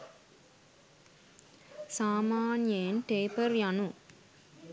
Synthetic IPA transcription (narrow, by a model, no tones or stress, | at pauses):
saːmaːnjeːnʈeːpəɾjanu